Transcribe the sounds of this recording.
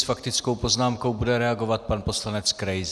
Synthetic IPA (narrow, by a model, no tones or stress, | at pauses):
sfakt̪ɪt͡sko̞wpo̞znaːmkowbudɛɾɛaɡo̞vat̪̚panpo̞slanɛt͡skɾɛjz